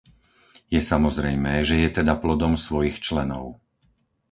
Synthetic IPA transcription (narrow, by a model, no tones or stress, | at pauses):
jɛsamɔzɾɛjmɛːʒɛjɛt̪ɛd̪aplɔd̪ɔmsʋɔjixt͡ʃlɛnɔ̰ʊ